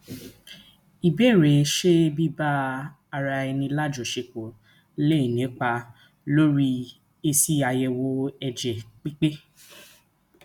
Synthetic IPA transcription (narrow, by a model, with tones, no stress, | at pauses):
i˨bɛ˦˨ɾe˨˦ʃe˦bi˦ba˦ | a˧ɾa˧ɛ˧nĩ˧la˦˨d͡ʒo˨ʃe˧˨ko˨ | le˦i˨nĩ˨˦k͡pa˧ | lo˦ɾi˦ | e˧si˦a˧jɛ˧wo˧˦ɛ˧d͡ʒɛ˨k͡pi˦k͡pe˦